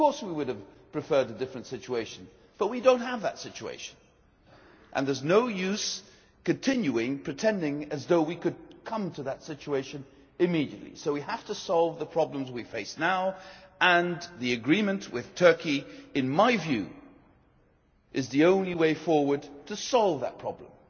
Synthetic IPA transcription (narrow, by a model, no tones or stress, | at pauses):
ʌv̥kʰɔɹswiwʊɾɨv̥pʰɹ̥ɨfɜ˞ɾɨdɪfɹɨ̃ntsɪt͡ʃueɪʃɨ̃n̩ | b̥ʌt̚widõʊ̃nt̚ɦəvðətsɪt͡ʃuḛɪʃɨ̃n̩ | ʔɨ̰̃nðə˞znoʊjʉz̥ | kɨ̃ntʰɪ̃njʉɪ̃ŋpʰɹ̥ɨtʰɛ̃ndɪ̃ŋɨzðoʊwikɨd̚kʰʌ̃mtʰɨðətsɪt͡ʃueɪʃɨ̃n | ɨmiɾiɨtˡlḭsoʊwiɦæftɨsɑlˠvðəpʰɹ̥ɑblə̃mzwifeɪsnaʊə̃nðiɨɡɹĩmɨ̃nʔwɨɪð̥tʰɜ˞kiɨ̃nmaɪvjʉ̰ | ʔɨzðiõʊ̃nliweɪfɔɹwə˞d̚tʰɨsɑlˠvðə̰t̚pʰɹ̥ɑ̰blə̃m